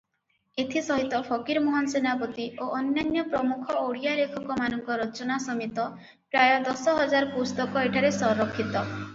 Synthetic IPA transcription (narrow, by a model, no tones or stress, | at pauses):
et̪ʰisɔɦit̪ɔpʰɔkiɾmoɦɔnsenapɔt̪ioʔɔnːjanjɔpɾɔmukʰɔoɽijaɾekʰɔkɔmanɔŋkɔɾɔt͡ʃɔnasɔmit̪ɔ | pɾajɔd̪ɔsɔɦɔd͡ʒaɾɔpust̪ɔkɔeʈʰaɾesɔɾɔkʰːit̪ɔ